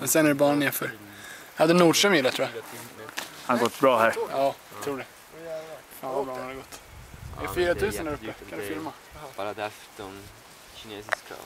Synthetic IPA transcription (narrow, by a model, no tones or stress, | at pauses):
mɛnsɛnæɾbɑːɳɳeːɾfœɾ | had̪ːənuːɖʂœmjɪlːat̪ɾuːja | hanɡɔt̪ːbɾɑːɦæɾjɑːat̪ʰɾuːɖɛ | faːnvabɾɑːhad̪ɛɡɔt̪ː | a̰ɛfyːɾat̪ʰʉ̟ːsənd̪æːɾɵppːəkʰand̪əfɪɾma